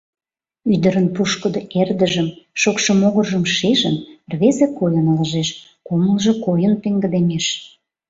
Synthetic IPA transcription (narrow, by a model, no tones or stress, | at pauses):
yd̪əɾənpuʃkəd̪oerd̪əʒəmʃokʃŏmoɣərʒəmʃeʒənrβezekojənlɑʒeʃ | koməlʒɤkojənp̪eŋɡə̆d̪emeʃ